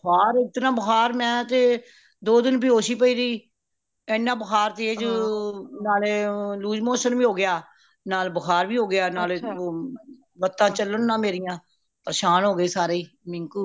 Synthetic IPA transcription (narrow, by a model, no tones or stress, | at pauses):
əkʰaːɾɪt̪nãːbəkʰaːɾmɛ̃ːt̪eː | d̪oːd̪ɪnp̬iːɦoːʃiːpəiːɾəiː | ɛːnːãːbəkʰaːɾt̪eːeːd͡ʒ | naːleluːd͡ʒmoːsənʋiːɦoːɡɪjaː | naːlbəkʰaːɾʋiːɦoːɡɪjaːnaːleː | ʋət̪ːãːt͡ʃəlːənːãːmeːɾɪjãː | pəɾəʃaːnɦoːɡeːsaːɾeiː | mɪ̃ŋkuː